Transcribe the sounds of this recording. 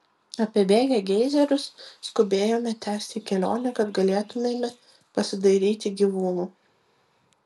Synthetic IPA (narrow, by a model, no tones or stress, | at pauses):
ɐpʲeɛbʲeːɡʲɛɡʲɛɪzʲɛɾʲʊsːkʊbʲeːjoːmʲɛt̪ʲæːsʲt̪ʲɪkʲɛlʲo̰ːnʲɛkɐd̪ɡɐlʲeːt̪ʊmʲeːmʲɛ | pɐsʲɪd̪ɐɪɾʲiːt̪ʲɪɡʲiːʋuːnuː